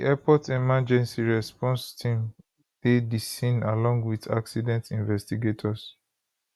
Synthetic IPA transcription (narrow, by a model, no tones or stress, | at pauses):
iʔɛpɔtemad͡ʒɛ̃nsiɹɛspɔ̃nstʰĩm | dedisĩnalɔ̃ŋɡwiθa̰ksidɛ̃ntĩnvɛstiɡetʰɔs